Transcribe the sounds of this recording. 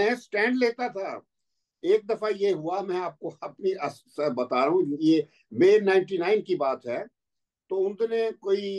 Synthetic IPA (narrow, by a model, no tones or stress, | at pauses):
ɦsʈɛ̃ːɳɖleːt̪at̪ʰaː | eːk̚d̪ɐfajeɦʊamɛ̃aːp̚koɐpniʔɐs | əbɐt̪aːɾɦũje | meːɾnaːɪ̃ɳʈinaːɪnkibaːt̪ɦɛː | t̪oːʊ̃nd̪ʱnẽkoːi